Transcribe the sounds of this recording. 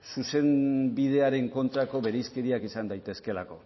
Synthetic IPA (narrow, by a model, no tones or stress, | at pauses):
suse̞mbið̞e̞aɾe̞ŋko̞nt̪ɾako̞βe̞ɾejske̞ɾiakisand̪ajt̪e̞ske̞lako̞